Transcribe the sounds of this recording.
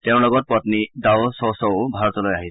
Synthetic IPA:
tɛʊ̃lɔɡɔt̚pɔtnidaʊsɔwsɔʊbʱaɹɔtɔlojaɦi

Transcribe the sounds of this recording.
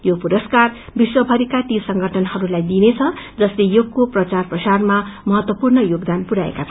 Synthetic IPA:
jopuɾʌskarbiswʌbʱʌɾikat̪isʌŋɡʱʌʈʰʌnhʌɾulajd̪inet͡sʰʌd͡zʌslejokːoprʌt͡sarprʌsarmamʌɦʌt̪wʌpurnʌjoɡd̪anpuɾaḛkat͡sʰ

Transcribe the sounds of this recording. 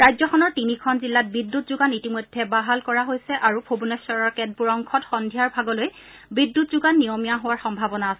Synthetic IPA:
ɹajzɔkʰɔnɔɹtinikʰɔnzilːat̚bidːutzʊɡanitimojdʱːɛbaɦalkɔɹaɦojsɛʔaɹupʰobunɔsɔɹɔɹkɛt̚buɹɔŋkʰɔtxɔndʱijaɹbʱaɡɔloj | bidːutzuɡanːijomijaɦowaɹxɔmbʱabɔnaːsɛ

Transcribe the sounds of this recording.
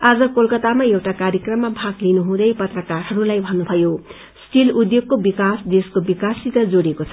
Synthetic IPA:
ad͡zʌkolkʌt̪amaewʈakaɾjʌkrʌmːabʱaɡlinuɦũd̪ʌjpʌt̪rʌkarɦʌɾulajbʱʌnːubʱʌjo | sʈilud̪joɡ̚kobikasd̪eskobikasit̪ʌd͡zoɽekot͡sʰʌ

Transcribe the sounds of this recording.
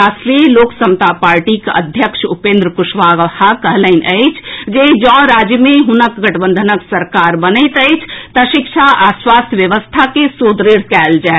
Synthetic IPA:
asɾiloːksəmt̪apaːɾʈikə̰d̪ʱjəkʃupẽːnd̪ɾəkuʃʋaɡɦakəɦləɪnʔəɪt͡ʃʰd͡ʒed͡ʒə̃ɾad͡ʒjəmẽɦunəkɡəʈbə̃nd̪ʱənəksəɾkaɾbənət̪əɪt͡ʃʰt̪əʃikʃʰaʔaswaːst̪ʰjəʋjəʋəst̪ʰakesod̪ɾiɽ̤kɛld͡ʒae

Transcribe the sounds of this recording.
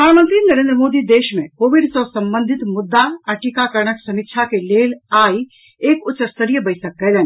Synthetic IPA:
pɾd̪ʱaːnmə̃nt̪ɾinəɐɾẽːnd̪ɾəmoːd̪id̪eːʃmẽkoːʋɪɖsɔːsɐ̃mbə̃nd̪ʱɪt̪mʊd̪ːaɐʈikakɐɾɳəksɐmɪkʃʰakeleːlaːi | eːkʊt͡ʃːəst̪əɾijəbɐɪsək̚ːɐɦd̪ɛːn

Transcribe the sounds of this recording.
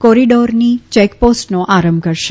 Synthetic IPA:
kɔɾiɖoɾnit͡ʃɛkposʈnoʔaɾəmbkəɾʃe

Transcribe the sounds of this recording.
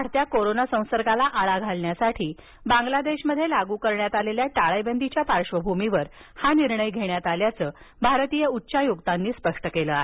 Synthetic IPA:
aɽt̪jakoɾonasə̃w̃səɾɡalaʔaɭaɡʱalɳjasaʈʰiː | bãŋɡlad̪eɕməd̪ʱːjelaɡukəɾɳjat̪aleljaʈaɭəjbənd̪it͡ɕjapaɾʂʋəbʱumiʋəɾ | haniɾɳəjɡʱeɳjat̪aljat͡səː | bʱaɾt̪ijəutːɕajuɡt̪anːiːspəʂʈəkeləaɦe

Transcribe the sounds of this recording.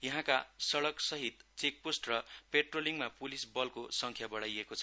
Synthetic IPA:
jʌɦãkasʌɽʌksʌɦit̪t͡sek̚posʈrʌpeʈroliŋmapulisbʌlkosʌŋkʰjabʌɽajekot͡sʰʌ

